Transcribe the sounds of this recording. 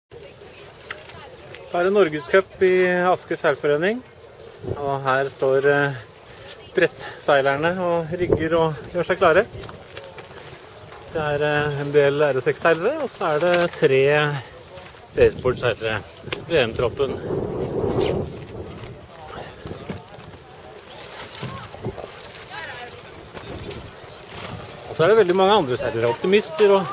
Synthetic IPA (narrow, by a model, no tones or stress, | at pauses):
d̪̥ɑæːɾɛnːɔɾɡəskʰœpːɪɑskəsæɾfɔɾeːnɪŋ | ɔɦæːɾst̪oːɾ | b̥ɾɛt̪ːsæɪlæɳəɔɾɪɡːəɾɔjøːʂæɪkʰlɑːɾə | d̪̥ɛæɾɛnd̪eːlæɾɔsɛksæɪləɾəɔsɔæɖɛt̪ʰɾeː | eɪsbɔːɖsæɾɾə | ɾeːɛmt̪ʰɾɔpːən | ɔsɔæɖɛʋɛld̪ɪmɑŋːəɑnd̪ɾəsæɾəɾəɔpt̪ɪmɪst̪əɾɔ